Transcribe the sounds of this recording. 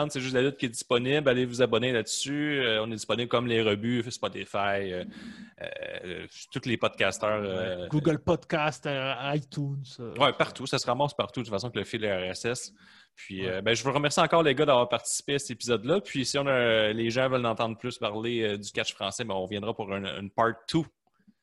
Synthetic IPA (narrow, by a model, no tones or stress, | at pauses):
d̪seʒʏst̪lalʊt̪̚kʲiɛd͡z̪i̥spɔnɪblalevuzabɔnelad̪syøɔ̃nɛdd͡z̪ispɔnɪblkʌmleʁəbyspɔt̪efajøø̰ | t̪ut̪lepɔd̪̚kast̪œːʁøɡuɡəlpɔd̪kʲast̪ajt̪ʰũnswɛpaʁt̪usasəʁamɑ̃spaʁt̪ud̪ənfasɔ̃kələfɪlɛɛʁɛsɛs | pʰɥiøbɛ̃ʒəvuʁəmɛʁsiɑ̃ːkɔːʁleɡʌd̪avwaːʁpaʁt̪i̥si̥peasɛt̪epizɔd̪lʌpʰɥisiɔ̃naleʒɑ̃vœlnɑ̃ːt̪ɑ̃d̪plʏspaʁleød̪ykʲat͡ʃfʁɑ̃sɛbɛ̃ɔ̃ʁəvjɛ̃d̪ʁapuʁɛ̰̃npɑɹt̪ʰːu